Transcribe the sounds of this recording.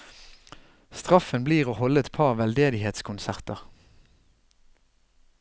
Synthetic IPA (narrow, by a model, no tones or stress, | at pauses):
st̪ʁɑfənbliːʁoːhɔləɛt̪pʰɑʁʋɛld̪eːd̪ɪheːt̪skʰʊnsæʁt̪əʁ